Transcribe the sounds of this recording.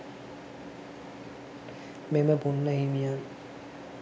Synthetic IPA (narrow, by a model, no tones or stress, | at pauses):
meməbunːaɦimijan